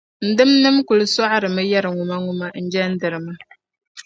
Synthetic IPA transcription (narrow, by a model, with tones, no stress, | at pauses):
n̩˨dɨ˦mnɨ˦mku˨lɨ˦sa˦ʔɾɨ˨mɨ˦ja˦ɾɨ˨ŋu˨ma˦ŋʊ˦ma˦n̩˦d͡ʒɛ˦n̩˦dɨ˨ɾɨ˨mɨ˦